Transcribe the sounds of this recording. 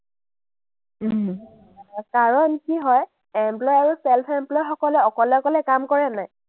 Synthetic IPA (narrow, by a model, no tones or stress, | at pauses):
kaɹɔnkiɦɔj | ɛmplɔjaɹusɛlpʰɛmplɔjxɔkɔlɛɔkɔlɛɔkɔlɛkamkɔɹɛnaj